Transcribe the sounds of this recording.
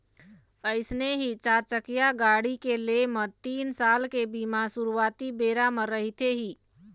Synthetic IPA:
əɪsneɦit͡ʃaɾt͡ʃəkijaɡaɽikelemət̪iːnsalkebimasuɾuwat̪ibeɾaməɾːəɦit̪eɦiː

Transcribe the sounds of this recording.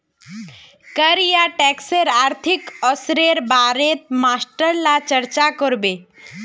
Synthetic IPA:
kəɾjaʈɛkseɾaːɾt̪ʰikɔsɾeɾbaːɾet̪̚masʈəɾlat͡ʃəɾt͡ʃakɔɾbe

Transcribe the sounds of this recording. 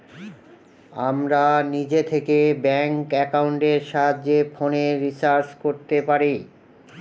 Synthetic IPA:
amɾanid͡ʑet̪ʰekebɛŋkɛkauɳʈeɾʃaɦadd͡ʑefʰoneɾisaɾskoɾt̪epaɾi

